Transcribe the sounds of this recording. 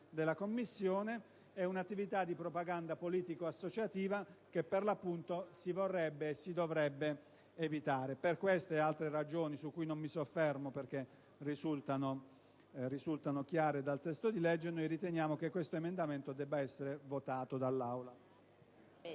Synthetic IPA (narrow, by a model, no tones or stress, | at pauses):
d̪elakomːisːjoːne | ɛunat̪ːivit̪ad̪ipɾopaɡand̪apoliːt̪ikoasːot͡ʃat̪iːvakepːerlapːunt̪osivorːɛbːeːsːid̪ovɾɛbːeː | vit̪aːɾeperkwest̪ealt̪ɾerad͡ʒoːnisukːujnomːisofːɛrmoperk̟e | rizult̪ano | rizult̪anok̟jaːɾed̪alt̪ɛst̪od̪ilɛd͡ʒːenojɾit̪enjaːmokekːwest̪oemend̪ament̪od̪ɛbːaɛsːeɾevot̪aːt̪od̪alːawla